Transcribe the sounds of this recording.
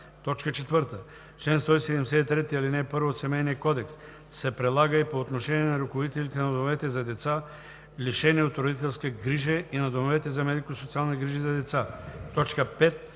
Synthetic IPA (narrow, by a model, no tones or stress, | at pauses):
t̪ɔt͡ʃkət͡ʃɛt̪vəɾt̪ə | ʃlɛnst̪ɔisɛd̪ɛmɛsɛt̪it̪ɾɛt̪ialinɛpəɾvot̪sɛmɛjniəkɔd̪ɛks | sɛpɾɛd̪lˠaɡəipoːt̪noʃɛniɛnaɾukovod̪it̪ɛlʲit̪ɛnad̪omovɛt̪ɛzɐd̪ɛt̪sa | liʃɛniot̪ɾod̪it̪ɛlˠskəɡɾiʒəinɐd̪omovɛt̪ɛzɐmɛd̪ikosot̪sialˠniɡɾiʒizɐd̪ɛt̪sat̪ɔt͡ʃkəpɛt̪̚